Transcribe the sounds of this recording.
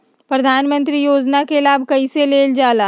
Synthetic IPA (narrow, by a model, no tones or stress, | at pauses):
pɾɐd̪ʱaːnmə̃nt̪ɾijoːd͡ʒnakelaːbʱkɐiseleːld͡ʒaːlaː